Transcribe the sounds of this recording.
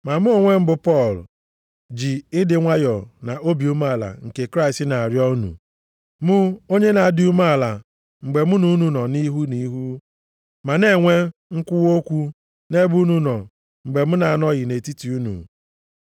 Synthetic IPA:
ma˨mʊ˦o˨ŋʷe˦m̩˦bʊ˨pɔ˦˨l | d͡ʒi˨ɪ˦dɪ˨ŋʷa˦jɔ˨na˨ʔo˦bi˨u˦ma˦˨la̰˨ŋ̩˨ke˨kɾa˦ɪ˨stɪ˦na˨a˨ɾjɔ˦u˦nṵ˨ | mʊ˦o˦ɲe˦na˨a˦˨dɪ˦u˦ma˦a˨la̰˨ | ŋ͡m̩˨ɡ͡be˨mʊ˦nu˦nu˨nɔ˨ni˦ɦu˦ni˦ɦu˦ | ma˨ne˦˨ŋʷe˦ŋ̩˦kʷʊ˦wo˦kʷu˦ | ne˦bu˦nu˦nɔ˨ | ŋ͡m̩˨ɡ͡be˨m̩˦na˨a˨nɔ˦ɣɪ˨ne˨ti˦ti˨u˦nṵ˨

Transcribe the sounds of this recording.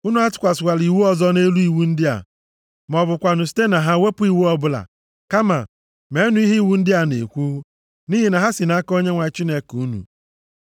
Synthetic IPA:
u˦nu˦a˦tʊ̥˨kʷa˨sʊ˨wa˨li˨wu˦ɔ˦zɔ˦ne˦lu˦i˨wu˦n̩˦dɪ˦a̰˨ | m˨ɔ˨bʊ˨kʷa˨nʊ˨si̥˦te˦na˨ɦa˦we˦pʊ˦i˨wu˦ɔ˦bʊ˦la̰˨ | ka˦ma̰˨ | me˨˦nʊ˨˦i˦ɦi˦i˨wu˨˦n̩˦dɪ˦a˨nḛ˨kʷu˦ | ni˦ɦi˨na˨ɦa˦sɪ˨na˦ko˦ɲe˦ŋʷa˨˦t͡ʃi˦ne˨ku˦nṵ˨

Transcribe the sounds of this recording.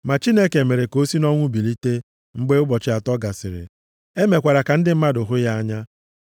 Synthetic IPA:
ma˨t͡ʃi˦ne˦ke˨me˨ɾe˨ko˦si˦nɔ˦ŋʷʊ˦bi˨li˦te˦ | ŋ͡m̩˦ɡ͡be˦ʊ˦bɔ˨t͡ʃɪ˦a˨tɔ˦ɡa˨sɪ˨ɾɪ̰˨ | e˦me˨kʷa˨ɾa˨ka˨n̩˦dɪ˦m̩˦ma˦dʊ˨ɦʊ˦ja˦a˦ɲa˦

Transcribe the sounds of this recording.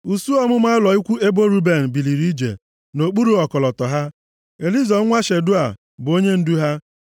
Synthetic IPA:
u˨su˦ɔ˦mʊ˦ma˦ɪ˦lɔ˨i˦kʷu˦e˦bo˦ɾu˦be˨n̩˨bi˨li˨ɾi˦d͡ʒḛ˨ | no˨k͡pu˦ɾu˨ɔ˨kɔ˨lɔ˨tɔ˨ɦa˦ | e˨li˦zɔ˨˦ŋʷa˦ʃe˨dʊ˦a˨ | bʊ˨o˦ɲe˦n̩˦du˦ɦa˦

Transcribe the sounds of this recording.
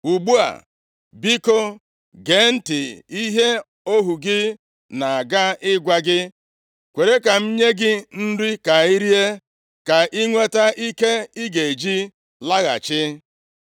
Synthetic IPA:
u˨ɡ͡bu˦a̰˨ | bi˦ko˦ | ɡe˨n̩˦tɪ˨i˦ɦe˦ | o˦ɦu˨ɡɪ˦ | na˨a˨ɡa˦ɪ˦ɡʷa˦ɡɪ˦ | kʷe˨ɾe˦ka˨m̩˦ɲe˦ɡɪ˦n̩˦di˦ka˨i˦ɾi˦e˦ | ka˨ʔi˦ŋʷe˦ta˦ʔi˦ke˦i˦ɡe˨e˨d͡ʒi˦ | la˦ɣa̰˨t͡ʃɪ˦

